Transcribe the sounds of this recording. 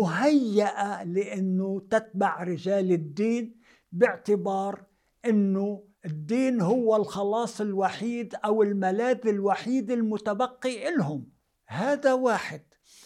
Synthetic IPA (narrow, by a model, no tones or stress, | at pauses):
mʊɦajːaʔalɪʔɪnːʊt̪ɪt̪̚baʕɾɪʒaːlɪd̪ːiːn | bɪʕt̪ɪbɑːɾ | ʔɪnːʊ | ɪd̪ːiːnɦʊwːɪlxɑlɑːsˤɪlwaħiːd̪ʔawɪlmalaːd̪ɪlwaħiːd̪ɪlmʊt̪abaqːiʔɪlɦʊm | haːd̪awaːħɪd̪̥̚